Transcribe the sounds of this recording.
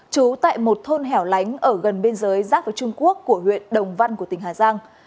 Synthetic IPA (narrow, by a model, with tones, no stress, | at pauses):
t͡ɕu˨˦t̪a̰ː˧˨jmo˨˩t̚t̪ʰo˧nɦɛ˨˩wla˨˦jŋ̟ʔəː˧˩ɣə˨˩nɓe˧nzəː˨˦jzaː˦˥t̚vaː˨˦jt͡ɕʊ˧ŋ͡mku˦˥əkːu˧˩əɦwḭ˧˨ənɗə˨˩wŋ͡mva˧nku˧˩ət̪ï˧˩ŋɦaː˨˩zaː˧ŋ